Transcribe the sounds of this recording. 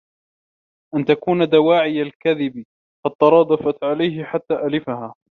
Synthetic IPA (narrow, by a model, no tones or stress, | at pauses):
ʔant̪akuːnad̪awaːʕɪjalkaðɪb | fɑt̪ˤːɑɾˤɑːd̪ˤɑfat̪ʕalajɦɪħat̪ːaːʔalɪfaɦaː